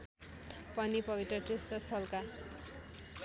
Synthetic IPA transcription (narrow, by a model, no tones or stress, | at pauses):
pʌnipʌbit̪rʌʈrist̪ʌst̪ʰʌlka